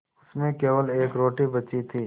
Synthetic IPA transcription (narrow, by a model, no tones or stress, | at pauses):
ʊsmẽkeːʋəleːkɾoːʈibət͡ʃit̪ʰiː